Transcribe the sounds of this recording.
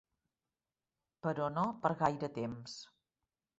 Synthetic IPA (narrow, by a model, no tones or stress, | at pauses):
pəɾɔnopəɾɣajɾət̪ems